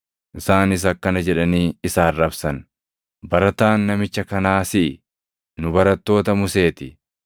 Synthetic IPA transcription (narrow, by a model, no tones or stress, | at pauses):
ʔɪsaːnɪs̬ɐkːɐnɐd͡ʒɛᶑɐniːɪsaːrːɐbsɐn | bɐɾɐt̪aːnːɐmɪt͡ʃːɐkɐnaːsɪʔɪ | nʊbɐɾɐt̪ːo̞ːt̪ɐmʊse̞ːt̪ɪ